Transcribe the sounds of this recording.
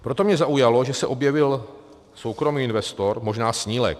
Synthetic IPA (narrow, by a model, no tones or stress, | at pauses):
pɾo̞t̪o̞mɲɛzaʔujalo̞ʒɛsɛʔo̞bjɛvɪl | so̞wkɾo̞miːɪnvɛst̪o̞ɾmo̞ʒnaːsɲiːlɛ̰k̚